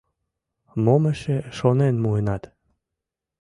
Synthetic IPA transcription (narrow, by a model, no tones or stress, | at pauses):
moməʃeʃonenmuenɑt̪